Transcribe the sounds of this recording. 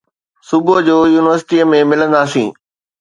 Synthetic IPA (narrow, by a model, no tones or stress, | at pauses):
sʊbəd͡ʑoːjuːnɪʋəɾsɪʈiəmẽmɪlə̃nd̪asḭ̃ː